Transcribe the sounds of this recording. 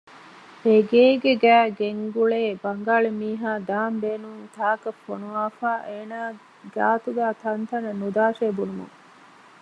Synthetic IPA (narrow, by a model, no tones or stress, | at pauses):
eɡeːɡeɡæːɡeŋɡuɭeːbɐŋɡaːɭemiːɦaːd̪aːmbeːnuŋt̪ʰaːkɐfonuʋaːfaːʔeːnaː | ɡa̰ːt̪uɡæːt̪ʰɐnt̪ɐnɐnud̪aːʃeːbunumṵŋ